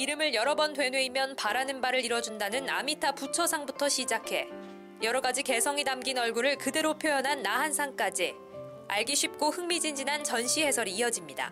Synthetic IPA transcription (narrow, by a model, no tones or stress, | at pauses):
iɾɯmɯɭjʌɾʌbʌntwe̞nwe̞imjʌnpaɾanɯnbaɾɯɾiɾwʌd͡ʑundanɯna̰mitʰaput͡ɕʰʌsʰaŋbutʰʌɕʰid͡ʑakʰe̞ | jʌɾʌɡad͡ʑike̞sʰʌŋinamɡinʌɭɡuɾɯɭkɯde̞ɾopʰjojʌnɦanːaɦansʰaŋk͈ad͡ʑi | a̰ɭɡiɕʰɥip̚k͈ohɯŋmid͡ʑind͡ʑinant͡ɕʌnɕʰihe̞sʰʌɾiːʌd͡ʑimɲida̰